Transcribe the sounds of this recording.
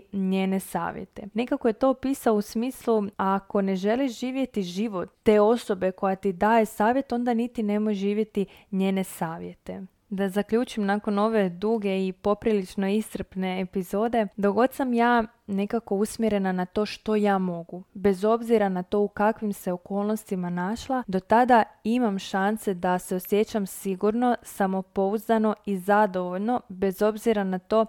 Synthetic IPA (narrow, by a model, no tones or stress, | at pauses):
ɲe̞ːne̞sa̰ːʋjḛt̪e̞ne̞kakoje̞t̪o̞piːsaousmiːslˠuako̞ne̞ʒe̞liʃʒiːʋje̞t̪iʒiʋo̞t̪ːe̞o̞so̞be̞ko̞jat̪id̪aːje̞saːʋje̞t̪o̞nd̪anit̪ine̞mojeʒʒiːʋje̞t̪i | ɲe̞ːne̞saːʋje̞t̪e̞ | d̪azakʎuːt͡ʃimnako̞no̞ʋe̞d̪uɡe̞ipo̞pɾilit͡ʃno̞ist̪r̩pne̞ːpizo̞ːd̪e̞d̪oɡo̞d̪samjaː | ne̞kako̞usmjeɾe̞nanat̪o̞ːʃt̪o̞jaːmo̞ɡube̞zo̞bziɾanat̪o̞ːukakʋimse̞o̞ko̞ːlˠno̞st̪imanaʃlˠad̪o̞t̪ad̪aimamʃanse̞d̪ase̞o̞sje̞t͡ɕamsiɡuɾno̞samo̞po̞uzd̪ano̞izad̪o̞ʋo̞ʎno̞be̞zo̞bziɾanat̪o̞ː